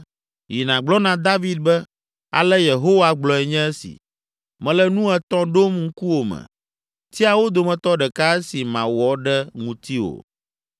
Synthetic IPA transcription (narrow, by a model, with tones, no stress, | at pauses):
ji˨nã˨ɡ͡blɔ˦nã˨d̪a˦vi˦d̪̚bɛ˦ | a̰˨lɛ˦je˨ɦo˦wa˨ɡ͡blɔ˨ɛ˨ɲɛ̃˦ɛ˦sḭ˨ | mɛ̃˨lɛ˦nũ˦ɛ˦t̪ɔ̃˦ɖo˦mŋ̩˦ku˦wo˨mɛ̰̃˨ | t̪i˦a˨wo˦d̪o˨mɛ̃˨t̪ɔ˦ɖɛ˨ka˦ɛ˦si˨mã̰˨wɔ˨˦ɖɛ˦ŋũ˨t̪i˦wo̰˨